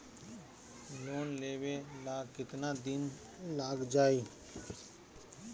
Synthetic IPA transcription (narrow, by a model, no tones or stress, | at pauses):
loːnleːʋeːlaːɡkɪt̪naːd̪ɪn | laːɡd͡ʒaːiː